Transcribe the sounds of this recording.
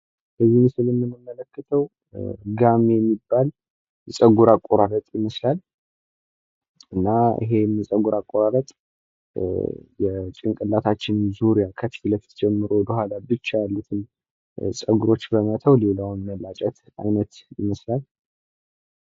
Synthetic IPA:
bəzːihmɨsɨlɨmːɨnəmːələkːət̪ʰəw | ɡamejɛmːibːal | sʼəɡuɾakʼːoɾaɾət̪ʼjɪməslal | ɨnːaḭɦe̞msʼəɡuɾakʼːoɾaɾət̪ʼ | jɛt͡ʃʼɪŋkʼɨlːat̪ʰat͡ʃːɪnɨmzuɾijakʰət̪ilət̪ʰd͡ʒɛmːɨɾowɔd̪əhʷalabɨt͡ʃːajalːut̪ʰɨm | sʼəɡuɾo̞t͡ʃːbəmət̪ʰəwle̞lawnməlat͡ʃʼɛt̪ | a̰jnət̪jɪməslal

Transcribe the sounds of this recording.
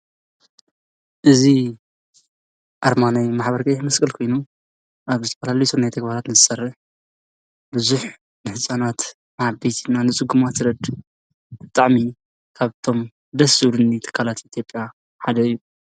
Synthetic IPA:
ʔɨzi | ʔaɾmanajmaħbɐɾkʼɐjħmɐskʼɨlkʰo̞jnu | ʔaβzɨt̪ʰɐfɐlalisʰunajt̪ʰɐɡbaɾat̪nɨzɨsɐrːɨħ | bɨzuħ | nɨħɨsʼanat̪ | nʕabet̪ʰinanɨt͡sʼɨɡːumat̪ɾɐd̪ | b̥ɨt̪ʼaʕmi | kʰaβt̪ʰo̞m | d̪ɐsuɾɨnːit̪ʰɨ̥kʰːalat̪ʔit̪ʰjo̞pʼja | ħad̪ɐɨjːu

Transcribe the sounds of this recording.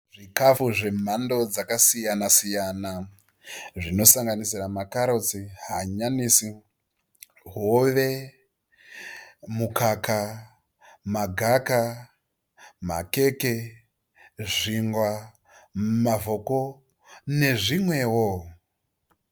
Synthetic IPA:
ʐikafuʐe̞m̤ando̞d͡zakasijanasijana | ʐino̞saŋɡanisiramakaɾo̞t͡siɦaɲanisi | ɦoʋe̞ | mukaka | maɡʱaka | ma̰ke̞ke̞ | ʐiŋɡwa | mavʱoko | ne̞ʐimwe̞ːwo

